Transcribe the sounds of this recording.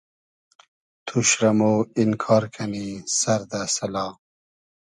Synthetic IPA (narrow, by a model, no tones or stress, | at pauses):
t̪ʰuɕɾɐmoːinkʰɑːɾkʰɐnisɐɾd̪asɐlɑː